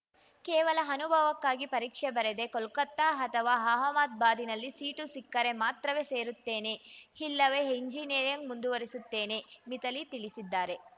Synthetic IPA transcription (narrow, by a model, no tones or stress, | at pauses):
keːʋɐlɐɦɐnubʱɐʋɐkːaːɡipɐɾiːkʂɛbɐɾed̪e̞kɔlkɐt̪ːaːɦɐt̪ʰɐʋaːɦaːɦɐmaːt̪̚baːd̪inɐlːisiːʈusikːɐɾe̞maːt̪ɾɐʋeːse̞ːɾut̪ːe̞ːne̞hilːɐʋe̞ɦeɲd͡ʒiːneːɾjɐŋɡmund̪uʋɐɾisut̪ːe̞ːne̞mit̪ɐlit̪iɭisid̪ːaːɾe̞